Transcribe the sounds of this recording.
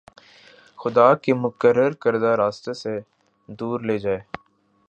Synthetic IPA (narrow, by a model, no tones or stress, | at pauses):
xʊd̪aːkemʊkəɾːəɾkəɾd̪aɾaːst̪ese | d̪uːɾleːd͡ʒaːeː